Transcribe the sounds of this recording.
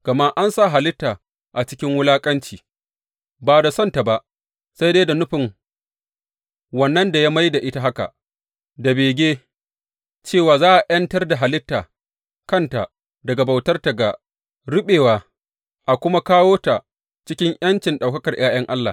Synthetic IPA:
ɡ̥ɐ˨ma˦ʔa˦nsa˦˨ɦa˨lɪ˦tːaː˨ | ʔa˨t͡ʃɪ̥˦kʲɪ˦ŋwʊ˦laː˦kʼɐ˦nt͡ʃiː˨ | baː˨da˨sɐ˦nta˨ba˦˨ʔ | sa˦jde˦da˨nʊ˦ɸɪ˨ŋ | wɐ˨nːɐ˦nda˨ja˦ma˦jda˨ʔɪ˦ta˦ɦa˦ka̰˨ | da˨beː˨ɡʲeː˦ | t͡ʃeː˦˨waː˨zaː˦ʔa˨jɐ˦ntɐ˦rda˨ɦa˨lɪ˦tːaː˨ | kɐ˦˨nta˨ | dɐ˨ɡa˨ba˨wtɐ˦rta˨ɡa˨ | ɽʊ˦ɓeː˨waː˨ | ʔa˨kʷʊ˦ma˦kaː˦woː˦ta˨ | t͡ʃɪ˦kʲɪ˦ŋʔjɐ˦nt͡ʃɪ˨nɗa˨wkɐ˦kɐ˨rj̰aː˦j̰ɐ˦ŋʔa˦lːa̰ː˨

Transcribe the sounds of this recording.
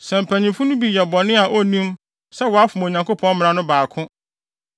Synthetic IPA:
sɛ̃˨m̩˨pʰæ˨ɲĩ˨fʊ̃˦nʊ̃˦bi˨jɛ˨bɔ˨nɪ̃˦a˨ʔɔ˦nĩ˦m | sɛ˦wɔ˨a˦fʊ˨m˨o˨ɲã˨ŋkʰo˦pʰɔ̃˦n˦mɪ̃˦˨ɾa˦nʊ̃˦baː˨kʰʊ̃˦

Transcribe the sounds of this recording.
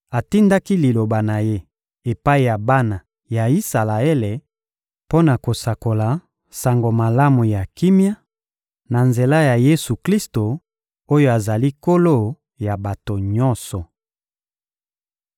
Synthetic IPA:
a˨ti˦nda˦ki˦li˨lo˨ba˨na˨je˦ | e˨pa˦i˨ja˨ba˦na˨ | ja˨i˦sa˨la˨e˦le˨ | po˦na˨ko˨sa˨ko˨la˨ | sa˨ŋɡo˨ma˨la˦mu˨ja˨ki˦mja˦ | na˨nze˨la˦ja˨je˦su˨kli˦sto˨ | o˦jo˦a˨za˨li˦ko˦lo˦˨ | ja˨ba˨to˨ɲɔ̃˦nsɔ˨

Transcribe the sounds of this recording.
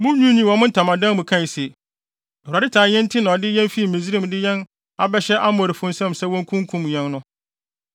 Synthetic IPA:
mʊ̃˦ɲũ˦nĩ˦wɔ̃˨mʊ̃˦n̩˦tʰã˨mã˨dã˦mʊ̃˨kʰã˦˨se˨ | ɛ˨hu˨a˨dɪ˦tʰaː˨jɛ̃˦n̩˦tʰɪ˦nã˨ɔ˨dɪ˦jɛ̃˦nfi˦˨mĩ˨zi˦ɾi˦˨mdɪ˦jɛ̃˦n | a˨bɛ˦ɕɛ˦ʔa˦m˨ɔ˨ɾi˨fʊ̃˦n̩˦sɛ̃˦msɛ˦wɔ̃˦ŋ˦kʰũ˦ŋ˦kʰũ˦mɲɛ̃˦nnʊ̃˦

